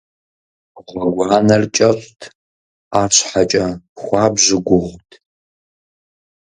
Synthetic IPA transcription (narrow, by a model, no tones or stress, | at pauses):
ʁʷɐɡʷɑːnɐrt͡ʃʼɐɕʼtʰ | aːrɕħat͡ʃʼɐxʷɑːbʑɪɡʷʊʁʷtʰ